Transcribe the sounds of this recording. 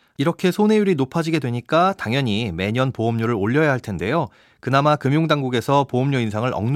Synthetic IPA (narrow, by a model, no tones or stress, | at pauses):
iɾʌkʰe̞sʰone̞juɾinopʰad͡ʑiɡe̞dwe̞ɲik͈ataŋjʌɲime̞ɲʌnpoʌmɲuɾɯɾoʎːʌjaɦaɭtʰe̞nde̞jo | kɯnamakɯmjoŋdaŋɡuɡe̞sʰʌpoʌmɲuinsʰaŋɯɾʌ̰ŋn